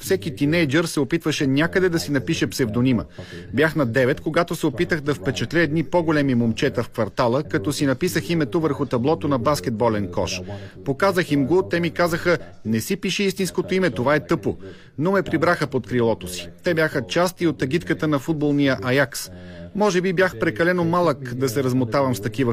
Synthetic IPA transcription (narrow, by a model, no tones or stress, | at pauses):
fsɛkit̪inɛjd͡ʒɛɾsɛopit̪vəʃɛnʲakəd̪ɛd̪ɐsinɐpiʃɛpsɛvd̪oniməbjaxnɐd̪ɛvɛt̪koɡat̪osɛopit̪əxd̪ɐfpɛt͡ʃɛt̪lʲɛɛd̪nipɔɡolɛmimomt͡ʃɛt̪əfkvɐɾt̪alˠəkɐt̪ɔsinɐpisəximɛt̪ovəɾxʊt̪ɐblˠɔt̪onɐbask̟ɛd̪̚bɔlɛnkɔ̰ʃpokazəximɡot̪ɛmikazəxə | nɛsipiʃɛist̪inskot̪oimɛt̪ovaɛt̪ɤpo | nomɛpɾibɾaxəpot̪̚kɾilˠɔt̪osi̥t̪ɛbjaxət͡ʃast̪iot̪ɐɡit̪kət̪ənɐfud̪̚bolˠnijəʔɐjaks | mɔʒɛbibjaxpɾɛkɐlɛnomalˠəkd̪ɐsɛɾɐzmot̪avɐmst̪ɐk̟ivə